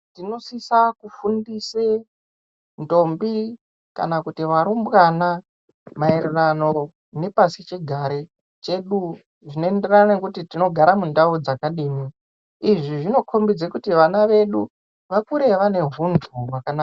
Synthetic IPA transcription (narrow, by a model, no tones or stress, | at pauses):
tino̞sisakufundise | ndo̞mbi | ka̰nakutiʋaɾumbɣana | maererano̞ | ne̞pasit͡ʃiɡʱaɾe | t͡ʃe̞ɗu | ʐino̞e̞nde̞rananekutitino̞ɡʱaɾamundaud͡zakaɗiːmi | iʐiʐino̞kʰo̞mbid͡zekutiʋanaʋe̞ɗu | ʋakuɾe̞ʋane̞vundʱuwakanaːa